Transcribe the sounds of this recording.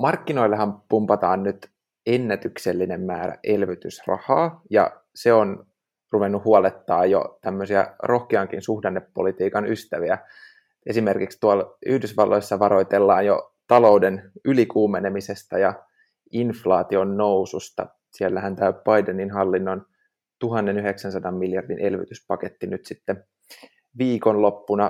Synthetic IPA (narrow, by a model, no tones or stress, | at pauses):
mɑrkːino̞ilːeɦɑmpumpɑt̪ɑːnnyt̪ | enːæt̪ykselːinemːæːɾæ̰ʔe̞lʋit̪ysrɑ̰hɑːjɑ̰ | seon | ruʋenːuhuɑlet̪ːɑːjjo̰t̪æmːøsiæ̰ro̞hkeɑŋkinsuhdenːepːolit̪iːkɑnyst̪æʋiæ | ʔe̞sime̞rkikst̪uɑlyhdysʋɑlːojsːɑʋɑɾo̞jt̪elːɑːnjo̰ | t̪ɑlo̞wdenylikuːmenemisest̪ɑjɑ | inflɑːt̪io̞nːo̞wsust̪ɑ̰ | sielːæhænt̪æyp̚b̥ɑjdeninɦɑlːinːon | t̪uɦɑnːenyɦeksænsɑdɑmːiljɑrdinʔe̞lʋḭt̪yspɑket̪ːinyt̪sit̪ːe | ʋiːko̞nlo̞pːunɑ